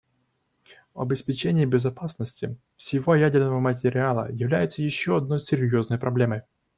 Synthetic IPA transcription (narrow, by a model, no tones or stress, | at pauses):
vɐ̰bʲɪspʲɪt͡ɕenʲɪːbʲɪzɐpasnəsʲtʲɪ | fsʲɪvojædʲɪrnəvəmət̬ʲɪɾʲɪalˠə̰jɪvlʲæjɪt̪səjɪɕːoɐd̪no̞jsʲɪɾʲjo̞znəjpɾɐblʲe̞məj